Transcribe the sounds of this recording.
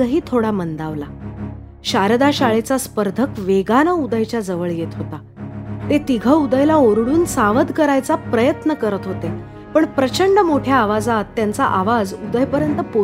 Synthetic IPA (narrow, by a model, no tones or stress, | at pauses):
əɦiːt̪ʰoɽamənd̪aʋla | ɕaɾd̪aɕaɭet͡saspəɾd̪ʱəkʋeɡanəud̪əjt͡ɕjad͡zəʋəɭjet̪ɦot̪a | t̪et̪iɡʱəud̪əjlaoɾɽuːnsaʋəd̪kəɾajt͡sapɾəjət̪nəkəɾət̪ɦot̪e | pəɳpɾət͡ɕəɳɖəmoʈʰjaːʋad͡zat̪ːjant͡saʔaʋad͡zud̪əjpəɾjənt̪əpo